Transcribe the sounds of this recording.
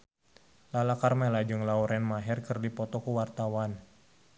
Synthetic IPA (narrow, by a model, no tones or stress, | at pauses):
lalakarmɛlad͡ʒɨŋlauɾɛnmaɦɛrkərdipɔt̪ɔkuwart̪awan